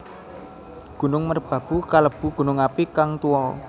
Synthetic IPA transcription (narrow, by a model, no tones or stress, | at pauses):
ɡ̥ṳnʊŋmərb̥ä̤b̥ukaləb̥ṳɡ̥ṳnʊŋapikaŋt̪uɔ